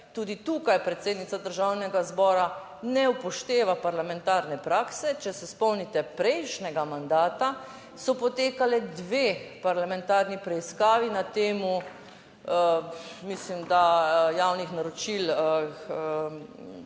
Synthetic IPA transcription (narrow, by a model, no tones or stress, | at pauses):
t̪uːd̪it̪ukajpɾɛt̪seːd̪nit̪ad̪əɾʒawnɛɡazbɔːɾa | nɛupɔʃt̪eːʋapaɾlamɛnt̪aːɾnɛpɾaːksɛt͡ʃɛsɛspɔwnit̪ɛpɾɛjʃnɛɡamand̪aːt̪a | sɔpɔt̪eːkalɛd̪ʋeːpaɾlamɛnt̪aːɾnipɾɛiskaːʋinat̪eːmu | əmislimd̪ajawnixnaɾɔt͡ʃil | ə